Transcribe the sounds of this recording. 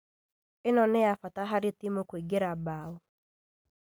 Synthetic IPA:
ɪnɔneafataɦaɾɪtimokweɡeɾabaːo

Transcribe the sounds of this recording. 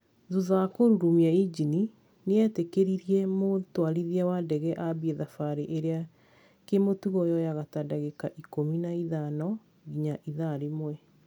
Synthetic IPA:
ðuðakoɾuɾumiaid͡ʑini | neɛtekeɾiɾiɛmotwaɾiðiawadɛɣɛʔabieðafaɾeʔeɾea | kemotuɣɔjɔjaɣatadaɣekaʔikominaiðanɔ | ɣiɲaʔiðaɾemwɛ

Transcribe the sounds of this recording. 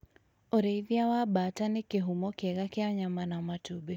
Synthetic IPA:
oɾeiðjawabatanɪkɪɦumɔkɛɣakɪaɲamanamatube

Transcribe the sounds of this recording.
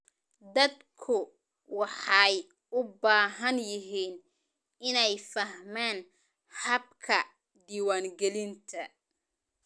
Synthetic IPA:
d̪ɐd̪kʰʊ | wɑħɑj | ʊbaːɦɐnjɪɦiːn | ɪnɛjfɐhmaːn | hɐb̚kʰɐ | d̪iːwaːŋɡɛlɪnt̪ʰɐ

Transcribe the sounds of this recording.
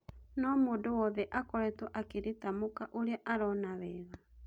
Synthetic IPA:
nɔmoːndowɔðɛʔakɔɾɛtwɔʔakeɾetamokaʔoɾeaʔaɾɔnaβɛːɣa

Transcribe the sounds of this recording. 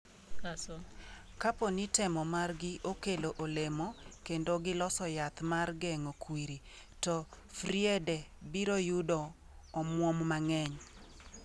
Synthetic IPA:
kaponitɛmɔmarɡɪʔokeloʔolemokendoɡɪlɔsɔjat̪marɡɛŋokwiɾi | tɔ | fɾiɛdɛbiɾojudɔː | mwɔmmaŋɛɲ

